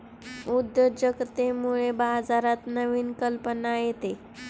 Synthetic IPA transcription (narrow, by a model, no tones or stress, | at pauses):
ud̪jəd͡ʑəɡt̪emuɭebad͡zaɾat̪nəʋiːnkəlpənajet̪e